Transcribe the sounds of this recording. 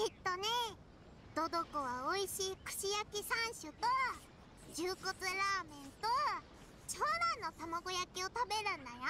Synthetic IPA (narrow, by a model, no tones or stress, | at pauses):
it̪ːo̞ne | d̪̥o̞d̪o̞kɯβaoiɕiːkɯ̟̥ɕijakʲisãɰ̃ɕɨt̪o | d͡ʑɨːkot͡sɨɾaːmẽ̞nt̪o | t͡ɕoːnãnːo̞t̪amaɡo̞jakʲio̞t̪abe̞ɾɯ̟̃nd̪aja